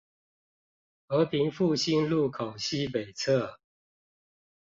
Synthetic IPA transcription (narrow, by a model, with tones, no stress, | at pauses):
xɤ˧˥pʰi˧˥ŋfu˥˨ɕi˦nlu˥˩˨kʰo˨˩ʊɕi˥pe˨˩ɪt͡sʰɤ˥˩